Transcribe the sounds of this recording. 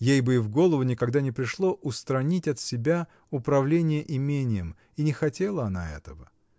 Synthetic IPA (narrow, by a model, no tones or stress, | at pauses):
jejbɨɪvɡo̞lˠəvʊnʲɪkɐɡd̪anʲɪpɾʲɪʂlˠo̞ʔʊst̪ɾɐnʲitʲɐt̪sʲɪbʲa | ʊpɾɐvlʲenʲɪjəʔɪmʲenʲɪjəm | inʲɪxɐtʲe̞lˠəɐna̰ɛ̰t̪əvə